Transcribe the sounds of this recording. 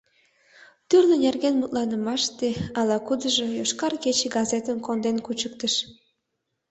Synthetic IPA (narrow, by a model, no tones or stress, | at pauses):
t̪yrlenerɣenmut̪lɑnə̆mɑʃt̪eɑlɑkud̪ə̆ʒojoʃkɑrket͡ɕeɡɑzet̪ənkond̪enkut͡ɕək̚t̪əʃ